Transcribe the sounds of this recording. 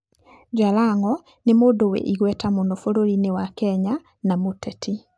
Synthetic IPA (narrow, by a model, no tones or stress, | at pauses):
d͡ʒalaŋɔ | nemoːdowḛʔiɣwɛtamondofoɾoɾinewakɛɲa | namotɛtʰi